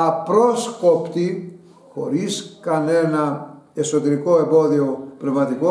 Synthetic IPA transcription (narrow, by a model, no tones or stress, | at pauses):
ɐpɾoskopt̪i | xo̞̰ɾiskɐne̞nɐ | e̞so̞t̪e̞ɾiko̞e̞bo̞ðio̞pnevmɐt̪iko